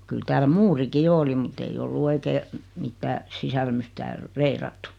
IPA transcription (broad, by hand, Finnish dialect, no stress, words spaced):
kyl tæːl muːriki jo oli mut ei olːu oikeː mitːæː sisælmys tæːl reirɑtːu